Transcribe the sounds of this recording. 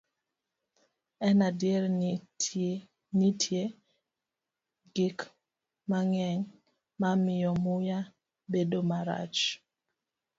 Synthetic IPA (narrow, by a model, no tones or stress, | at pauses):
ɛnadjeɾ | nitʰje | ɡɪk | maŋɛŋ | mamɪjɔmʊja | bedomaɾa̰t͡ʃ